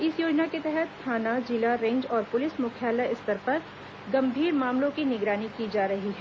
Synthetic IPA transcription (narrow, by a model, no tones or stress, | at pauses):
ɪsjoːd͡ʒnaket̪ɛɦɛt̪ːʰaːnad͡ʒɪlaɾẽːɲd͡ʒɔːɾpʊlɪsmʊkʰjaːlaɪst̪ɐɾpɐɾ | ɡɐ̃mbʱiːɾmaːmlõkinɪɡɾaːnikid͡ʒaːɾɐɦiɦɛː